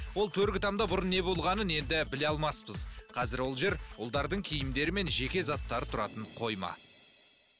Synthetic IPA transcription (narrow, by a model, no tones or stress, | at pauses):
wo̞lˠt̪ʰɵɾɡʲɪt̪ʰɑmd̪ɑbʊɾʊnːe̞bo̞lˠʁɑnəne̞nd̪ɪbɪleɑlˠmɑspəzqʰɑzɪɾwo̞lˠʒe̞ɾʊlˠd̪ɑɾd̪əɴkʲʰijɪmd̪e̞ɾɪme̞nʒe̞kʲe̞zɑt̪ːɑɾət̪ʰʊɾɑt̪əɴqʰo̞jmɑ̰